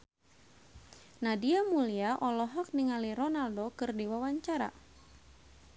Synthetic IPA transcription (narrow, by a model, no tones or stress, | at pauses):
nadiamuliaʔɔlɔɦɔk̚niŋaliɾɔnaldokɨrdiwawaɲt͡ʃaɾa̰